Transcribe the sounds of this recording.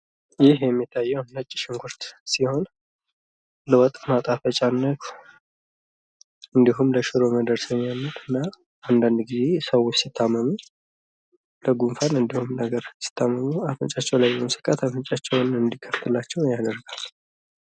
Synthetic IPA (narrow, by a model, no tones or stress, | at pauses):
jɪhjɛmːit̪ʰːajːɛwnət͡ʃʼːɪ̥ʃɪŋkʰʷʊɾt̪siho̞n | ləwɔt̪ʼːmat̪ʼafət͡ʃʼanːət̪ | ɨnd̪iɦumləʃɨɾo̞məd̪əɾsəmjamːət̪ɨnːa | and̪and̪ɡize̞səwot͡ʃːsit̪ʰːamːəmu | ləɡumfanɨnd̪ihumnəɡəɾsi̥t̪ʰːamːəmuafənt͡ʃʼat͡ʃːɛwlajbəmsɨ̥kʼat̪ʰafənt͡ʃʼat͡ʃːɛwnɨnd̪ikʰːəft̪ʰɨlat͡ʃːɛwnjad̪əɾɡal